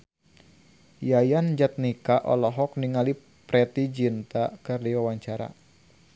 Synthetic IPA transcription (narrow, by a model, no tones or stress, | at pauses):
jajand͡ʒat̪̚nikaʔɔ̰lɔɦɔk̚niŋali | pɾɛt̪id͡ʒint̪akɨrdiwawaɲt͡ʃaɾa̰